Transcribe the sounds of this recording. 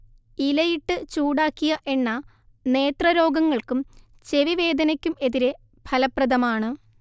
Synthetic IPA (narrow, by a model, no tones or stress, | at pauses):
ilɐjiʈːɨt͡ɕuːɽaːkːiɣɐʔe̞nːɐ | ne̞ːt̪rɐɾo̞ːɡɐŋːɐɭkum | t͡ɕe̞ʋiʋe̞ːd̪ɐnɐkʲːume̞ðiɾe̞ | b̥ʱɐlɐprɐd̪ɐmaːɳɨ